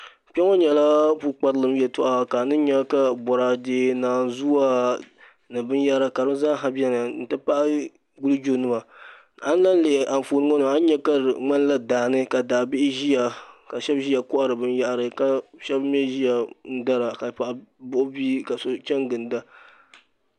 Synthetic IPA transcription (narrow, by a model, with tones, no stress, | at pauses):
k͡pɛ˦ŋɔ˦ɲɛ˨la˦pu˦k͡pa˦ɾɨ˦lɨ˦m˦jɛ˨tʊ˦˨ʔa˦ka˨nɨ˦ɲɛ˦ka˦bɔ˨ɾa˨deː˦naː˨n˨zu˦wa˦ | nɨ˨bɨ˦nja˦ɾa˨ka˨ɾɨ˦zaː˦ɦa˦bi˦ɛ˦na˨n̩˨tɨ˦pa˦ʔ | ɡu˦lɨ˦d͡ʒo˦nɨ˦ma˨ | a˦n˦la˦n˦lɪ˨ʔɪ˨ʔa˨n˨foː˨nɨ˦ŋɔ˦nɨ˨a˦n˦ɲɛ˦ka˦˨ŋ͡ma˦n˦la˦daː˨nɨ˦ka˨daː˨bɪ˦ʔɪ˦ʒi˦ja˨ka˨ʃɛ˦bʒi˦a˨kʊ˦ʔa˦˨ɾɨ˨bɨ˦nja˦ʔɾɨ˨ka˦ʃɛ˦bm˦ɛ˦ʒi˦ja˨n̩˦da˦ɾa˨ka˨pa˨ʔbʊ˦ʔʊ˦bi˦ka˨so˦t͡ʃɛ˦ŋɡɨ˨nda˦